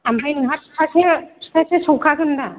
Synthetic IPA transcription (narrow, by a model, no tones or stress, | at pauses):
ambajnɯɦat̚tʰase̥tʰasesɔwkʰaɡɯnda